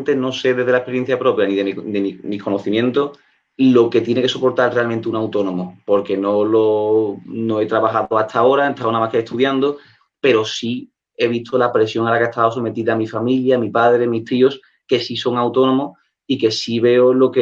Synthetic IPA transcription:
nt̪eno̞seðeðelaehpe̞ɾje̞n̟θjapɾo̞pjaniðed̪emimikʰo̞noθimjẽ̞nt̪o | lo̞ke̞t̪je̞neke̞so̞po̞ɾt̪alre̞almẽnt̪eunawt̪o̞no̞mopo̞ɾke̞no̞lo̞ | no̞e̞t̪ɾaβaxaðoat̪ao̞ɾaet̪ʰaonamahkeːht̪uðjand̪o | pe̞ɾo̞si | e̞β̞it̪ʰolapɾe̞sjo̞ŋalakeest̪aoso̞me̞t̪iðaːmifamiljaːmipaðɾe̞ðemiht̪io̞s | ke̞siso̞ŋawt̪onõ̞mo | ike̞siβe̞olo̞ke

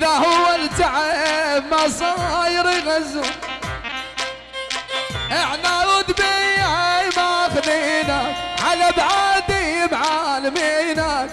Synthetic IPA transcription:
ðahʊwːalt̪aʕabmasˤɑjɾˤiɣaza | ʔɪħnawʊd̪bijʕamaaxdiːnaʕalabʕad̪imʕalamiːna

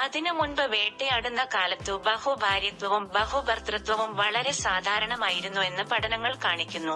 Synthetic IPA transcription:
ɐðinɨmunbɐʋe̞ːʈːeɐɽunːɐkaːlɐt̪ːɨbɐhubʱaːɾjɐt̪ʋɐʋumbɐhubʱɐrt̪rɐt̪ʋɐʋumʋɐɭɐɾe̞saːd̪ʱaːɾɐɳɐmaːjiɾunːue̞nːɨpɐɽɐnɐŋːɐɭkaːɳikʲːunːu

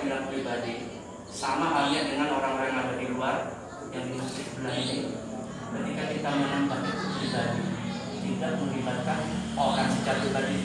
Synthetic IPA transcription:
ilapɾibadi | samaɦaliaʔdəŋanoɾaŋɾajŋaɡadiluar | jaŋdimasɪsəbəlaɦini | kət̪ikakit̪amənambat̪̚pɾibadi | t̪idaʔməlibat̪̚kanokansəd͡ʒaibadi

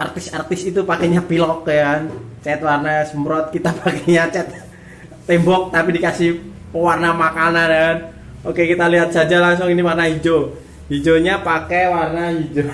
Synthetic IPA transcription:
ʔart̪ɪsart̪ɪsit̪upakeɲapilɔkjkant͡ʃɛt̪̚warnasəmbɾɔt̪̚kit̪apakeɲat͡ʃɛt̪̚ | t̪ɛmbɔk̚t̪apidikasɪh | pəwarnamakanankan | okekit̪aliɦat̪̚sad͡ʒalas̬ɔŋiniwarnaɦid͡ʒo | hid͡ʒoɲapakewarnaɦid͡ʒo

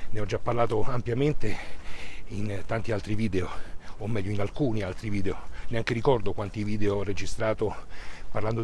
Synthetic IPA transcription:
neɔd͡ʒːapːarlaːt̪oampjament̪e | int̪ant̪ialt̪ɾiviːd̪eoːmːɛʎːoinalkuːnialt̪ɾiviːd̪eoneaŋkeɾikɔrd̪okwant̪iviːd̪eorːed͡ʒist̪ɾaːt̪oparland̪o

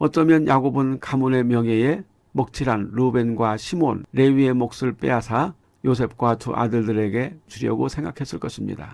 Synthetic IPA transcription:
ʌt͈ʌmjʌnjʔaɡobɯnkamune̞mjʌŋe̞e̞ | mʌk̚t͡ɕʰiɾanɾube̞nɡwaɕʰimonɾe̞ɥie̞mok̚s͈ɯɭp͈e̞̰ɦasʰa | jos̬ʰe̞p̚k͈watṵʔa̰dɯɭdɯɾe̞ɡe̞t͡ɕuɾjʌ̰ɡosʰeŋɡakʰe̞s͈ɯɭk͈ʌɕʰimɲḭda̰

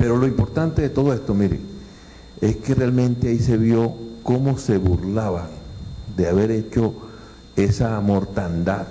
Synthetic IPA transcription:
pe̞ɾo̞lo̞impo̞ɾt̪ant̪e̞ðet̪o̞ðoe̞st̪o̞miɾḛ | e̞ske̞realmẽ̞nt̪eaise̞βjo̞komo̞se̞βuɾlaβad̪eaβe̞ɾe̞t͡ʃo̞ | e̞samo̞ɾt̪and̪að

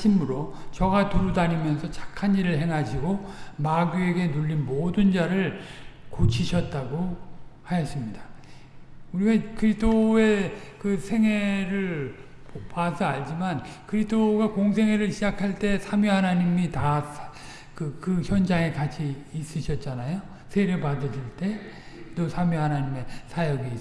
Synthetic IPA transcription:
ɕʰimɯɾot͡ɕʌɡatuɾudaɲimjʌnsʰʌt͡ɕḁkʰaniɾɯɭɦe̞ŋɦaɕʰiɡomaɡue̞ɡe̞nuʎːinmodɯnd͡ʑaɾɯɭkot͡ɕʰiɕʰʌt̚t͈aɡohajʌs͈ɯmɲida | uɾiɡakɯɾidʰoe̞kɯsʰe̞ŋwe̞ɾɯɭ | pasʰʌaɭd͡ʑimankɯɾitʰoɡakoŋs̬ʰe̞ŋwe̞ɾɯɭɕʰid͡ʑakʰaɭt͈e̞sʰamiɦanaɲimita | kɯkɯçjʌnd͡ʑaŋe̞kat͡ɕʰiːs͈ɯɕʰʌt̚t͡ɕ͈anajo | sʰeɾepadɯɕʰiɭt͈e̞ | tosʰamjiɦanaɲime̞sʰajʌɡiː

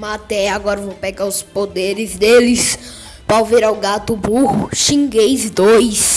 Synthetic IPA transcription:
mat̪ɛaɡɔɾɐvõwpeɡaʊspod̪eɾɪzd̪elɪs | pawveɾawɡat̪ʊbuhʊʃĩŋɡejzd̪ojs

